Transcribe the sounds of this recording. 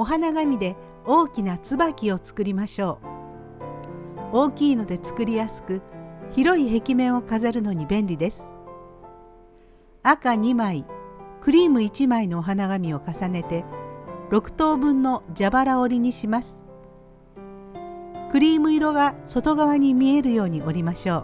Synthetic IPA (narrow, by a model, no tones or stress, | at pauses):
o̞ɦanaɡamʲid̪e̞ | o̞ːkʲinat͡sɨbakʲio̞t͡sɨ̥kɯ̟ɾʲimaɕo̞ː | oːkʲiːno̞d̪e̞t͡sɨ̥kɯ̟ɾʲijasɨ̥kɯ̟çiɾo̞iɦe̞kʲimẽ̞ɰ̃o̞kazaɾɯ̟no̞ɲ̟ibẽ̞nɾʲid̪e̞sɨ̥ | akaɲ̟imaikɯ̟ɾʲiːmɯ̟it͡ɕimaino̞ːɦanaɡamʲio̞kasane̞t̪e̞ɾo̞kɯ̟̥t̪o̞ːbɯ̟̃nːo̞d͡ʑabaɾao̞ɾʲiɲ̟iɕimasɨ̥ | kɯ̟ɾʲiːmɯ̟iɾo̞ɡaso̞t̪o̞ɡaβaɲ̟imʲie̞ɾɯ̟jo̞ːɲ̟iʔo̞ɾʲimaɕo̞ː